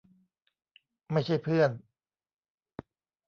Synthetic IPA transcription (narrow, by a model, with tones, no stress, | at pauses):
ma˥˩jt͡ɕʰa˥˩jpʰɯ˥˩ən